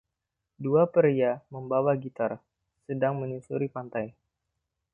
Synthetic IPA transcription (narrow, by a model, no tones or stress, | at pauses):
duapəɾijaməmbawaɡit̪ar | sədaŋməɲusuɾipant̪aj